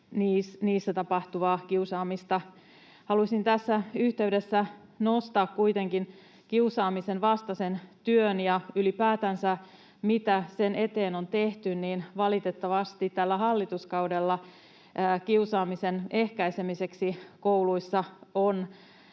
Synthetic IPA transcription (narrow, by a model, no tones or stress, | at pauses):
niːsniːsːæt̪ɑpɑht̪uʋɑːkiusɑːmist̪ɑ | hɑlusint̪æsːæyht̪e̞ydesːæ | nost̪ɑːkkuit̪eŋkin | kiusɑːmisenʋɑst̪ɑsent̪yønjɑylipæːt̪ænsæ | mit̪æsenet̪eːnont̪eht̪ynniːnʋɑlit̪et̪ːɑʋɑst̪it̪t̪ælːæɦɑlːit̪uskɑudelːɑː | kiusɑːmisenehkæisemiseksikouluisːɑon